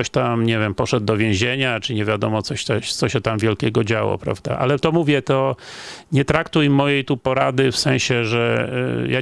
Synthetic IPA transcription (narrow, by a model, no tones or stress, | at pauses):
ɔɕt̪amɲɛvʲjɛmpɔʂɛd̪d̪ɔvʲjẽʑeɲat͡ʂɘɲɛvʲjad̪ɔmɔt̪sɔɕt̪ɛɕt̪sɔɕɛt̪amvʲjɛlkʲɛɡɔd͡ʑawɔ̰pɾa̰vd̪a̰ʔa̰lɛt̪ɔmuvʲjɛt̪ɔɲɛt̪ɾakt̪ujmːɔjejt̪upɔɾad̪ɘfsɛ̃ɕɛʐɛ̰ja